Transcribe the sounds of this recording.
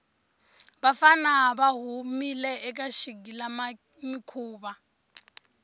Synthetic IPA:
βafanaɦaβaɦumilɛɛk̬aʃiɡ̬ila | mikʰuːβa

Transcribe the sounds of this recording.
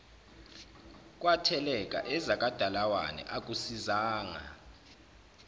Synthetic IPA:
k̬ʼwatʰɛlɛk̬ʼa̰ʔɛzakʼad̥ʱalawa̰nɛ̰ʔak̬ʼusizaːŋa̰

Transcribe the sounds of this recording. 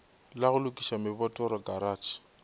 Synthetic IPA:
laɣʊlʊkʼiʃamɪbɔtʼɔɾɔkaɾaːt͡ʃʰi̥

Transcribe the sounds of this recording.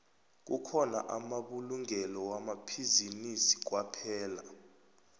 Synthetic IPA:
k̬ṵkʰɔna̰ʔamaɓuluŋɛlɔwamapʰizinisi̥k̬wapʰɛːla

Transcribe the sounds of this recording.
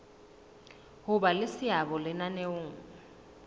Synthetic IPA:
hʊbalɪsɪabɔlɪnaneʊːŋ̩

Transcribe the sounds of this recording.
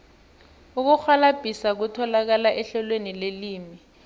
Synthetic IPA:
uk̬uxalab̥ʱisak̬utʰɔlak̬alaʔɛɬɔlwenileliːmi

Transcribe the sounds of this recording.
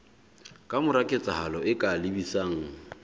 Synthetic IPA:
kʼamʊɾakʼet͡sʼahalɔɪkʼalɪbisaːŋ̩

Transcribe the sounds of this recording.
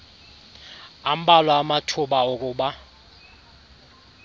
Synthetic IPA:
am̩ɓalwaːmatʰuɓauk̬ʼuːɓa

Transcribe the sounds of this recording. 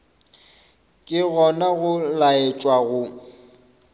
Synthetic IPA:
kʼɪɣɔnaɣʊlaet͡ʃʼwaɣʊ

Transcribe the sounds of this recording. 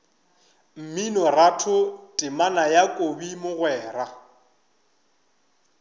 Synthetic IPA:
m̩minɔratʰʊtʼɪmanajakʼobimʊɣwɛːra

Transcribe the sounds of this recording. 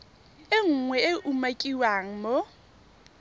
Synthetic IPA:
ɪŋ̩ŋwɛɪʔumakʼiwaŋ̩mo

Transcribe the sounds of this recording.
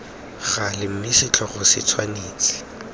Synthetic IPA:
ɣalɪm̩mɪsɪt͡ɬʰɔχʊsɪ̰t͡sʰwaneːt͡sʼɪ̥

